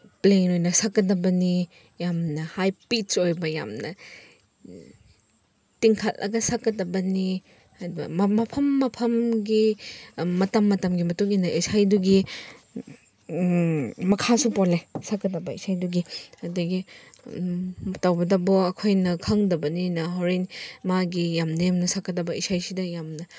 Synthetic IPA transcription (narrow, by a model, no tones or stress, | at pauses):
pleŋɾojnɐsakːɐdɐbɐni | jamnɐhajpit͡ʃojbɐja̰mnɐ | tiŋkʰalʔɐ̰ɡɐsakːɐdɐbɐni | aɾibɐ̰mɐmɐpʰɐmːɐpʰɐmɡi | mɐtɐmːɐtɐmɡimɐtuŋinɐʔisajduɡi | mɐkʰasupɔlesakːɐtɐbɐḭsajduɡiɐdɐɡi | tawbɐdɐbɔɐkʰojnɐkʰɐŋdɐbɐninɐɦowɾenmaɡijamnɐjamnɐsakːɐtɐbɐisajsidɐjamnɐ